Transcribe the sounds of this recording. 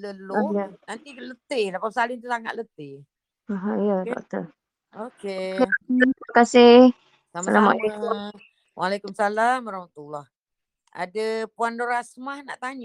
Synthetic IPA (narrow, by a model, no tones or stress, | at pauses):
ləloajənant̪ilət̪ɪhlapasalɪnt̪usaŋa̰t̪̚lət̪ɪh | aɦajəd̪ɔ̰ʔt̪ə | okekaaənkasɪh | samalama̰lekum | wʔalekumsalamaɾahmat̪ulah | ʔa̰dəpuandoɾasmahna̰ʔt̪aɲa